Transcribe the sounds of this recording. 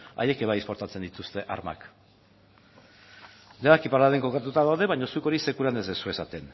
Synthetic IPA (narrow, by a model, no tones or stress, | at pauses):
a̰je̞ke̞β̞ajespo̞ɾt̪at͡send̪it̪ust̪e̞ʔa̰ɾma̰k | d̪eaakipaɾaðeŋko̞kat̪ut̪aðawðe̞βaɲo̞suko̞ɾise̞kuɾanezðesue̞sat̪e̞n